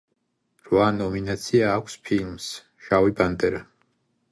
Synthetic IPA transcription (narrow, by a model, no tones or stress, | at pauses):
ɾwanɔminat̪sʰiaːkʷʰspʰilms | ʃawibant̪ʼɛɾa